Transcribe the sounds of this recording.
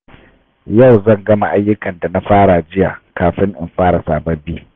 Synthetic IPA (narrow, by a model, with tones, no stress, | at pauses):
ja˦˨wzɐ˦˨ŋɡɐ˦ma˨ʔa˦jːʊ˦kɐ˨nda˨na˦ɸaː˦ɽa˨d͡ʒɪ˦ja̰ː˨kaː˨ɸɪ˦ŋʔɪ̰˨mɸaː˦ɽa˨saː˨bɐ˦biː˦